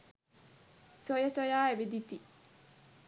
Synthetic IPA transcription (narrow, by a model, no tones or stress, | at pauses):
sojɐsojaːeʋid̪it̪i